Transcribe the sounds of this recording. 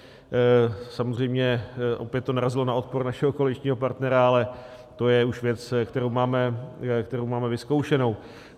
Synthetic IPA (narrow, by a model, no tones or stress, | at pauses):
samozr̝ɛjmɲɛʔo̞̰pjɛt̪t̪ːo̞naɾazɪlo̞nao̞t̪̚poɾnaʃɛɦo̞kolɪt͡ʃɲiːɦo̞paɾt̪nɛɾaalɛ | t̪o̞jɛuʃvjɛt͡skt̪ɛɾowmaːmɛkt̪ɛɾowmaːmɛvɪsko̞wʃɛno̞w